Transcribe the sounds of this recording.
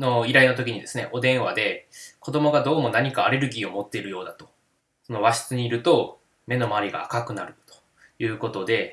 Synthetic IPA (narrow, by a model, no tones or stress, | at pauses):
no̞iɾainot̪o̞kʲiɲ̟id̪e̞sɨne̞̰ʔo̞d̪ẽ̞ɰ̃βad̪e̞ko̞d̪o̞mo̞ɡad̪o̞ːmo̞naɲ̟ikaːɾe̞ɾɯ̟ɡʲiːo̞mo̞t̪ːe̞iɾɯ̟jo̞ːd̪at̪o̞̥ | so̞no̞βaɕi̥t͡sɨɲ̟iːɾɯ̟t̪o̞ | me̞no̞maːɾʲiɡa̰ːkakɯ̟naɾɯ̟t̪o̥ | jɯ̟ːko̞t̪o̞d̪e̞